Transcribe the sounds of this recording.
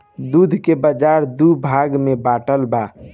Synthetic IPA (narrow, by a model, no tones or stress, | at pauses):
d̪ud̪ʱkebəd͡ʒaɾd̪ubʱaɡmebaʈəlba